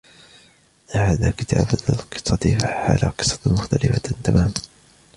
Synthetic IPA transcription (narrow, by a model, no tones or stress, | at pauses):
ʔʔhaːðaːkɪt̪ʰa̰ːblɪlqɨ̥sˤːɑt̪faħa̰ːlaqɨ̥sˤɑt̪mʊxt̪alɪfat̪amaːma